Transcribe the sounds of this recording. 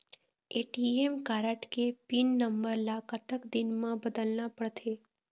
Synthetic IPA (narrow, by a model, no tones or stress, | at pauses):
eːʈiemkaːɾəʈkepinːəmbəɾlakət̪əkd̪ɪnmãbəd̪əlnapəɽt̪ʰeː